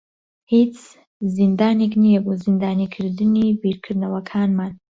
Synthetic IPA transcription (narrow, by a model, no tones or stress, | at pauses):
hit͡sʰ | zind̪aːneknijabuzind̪aːnikʰɨɾd̪ɨnibiɾkʰɨd̪nɐwɐkʰaːnman